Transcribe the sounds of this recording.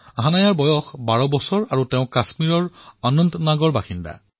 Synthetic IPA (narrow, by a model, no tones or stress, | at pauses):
aɦanajaɹbɔjɔxbaɹɔbɔsɔɹaɹuteʊ̃kasmiɹɔɹɔnɔnt̪naɡɔɹbaxinda̰